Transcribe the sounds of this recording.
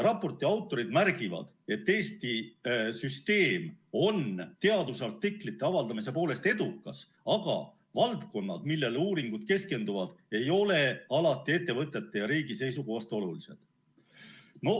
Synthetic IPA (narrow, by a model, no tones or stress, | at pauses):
rɑpːˑo̞rt̪ːˑiɑwt̪ːˑo̞ɾid̪mærɡ̥ivɑ̰d̪̥e̞t̪ːe̞ːst̪isyst̪e̞ːmo̞nt̪e̞ɑd̪usɑrt̪ːiklit̪ːˑe̞ɑvɑld̪ɑmise̞po̞ːle̞st̪e̞d̪̥ukːˑɑs | ɑɡ̥ɑ̰ | vɑlt̪ko̞nːɑ̰d̪̥milːe̞luːɾiŋɡ̥ud̪̥ke̞ske̞nd̪uvɑd̪̥e̞jo̞le̞ɑlɑt̪ːˑie̞t̪ːe̞vɤt̪ˑːe̞t̪ːe̞jɑɾiːɡ̥ise̞jsukoːst̪o̞lulise̞̰d̪̥ | no̞